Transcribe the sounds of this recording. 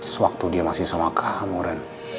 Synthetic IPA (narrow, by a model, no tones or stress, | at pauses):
səwak̚t̪udiamasɪhsamakʰamuɾɛn